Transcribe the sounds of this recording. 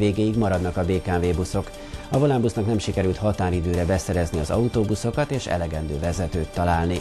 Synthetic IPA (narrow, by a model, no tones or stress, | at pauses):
veːɡeːjiɡmɒɾɒd̪nɒkɒbeːkaːveːbuso̞k | ɒvo̞lambusnɒknɛmʃikɛɾylt̪hɒt̪aːɾid̪øːɾɛbɛsɛɾɛzniɒzɒ̰ut̪oːbuso̞kɒt̪eːʃɛ̰lɛɡɛnd̪ø̰ːvɛzɛt̪øːt̪ːɒlaːlni